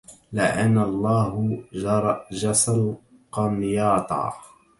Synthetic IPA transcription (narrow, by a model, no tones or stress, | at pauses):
lɪʔanːɑlˤːɑːɦɾˤd͡ʒɑsal | qɑnjɑːt̪ˤɑ̰ː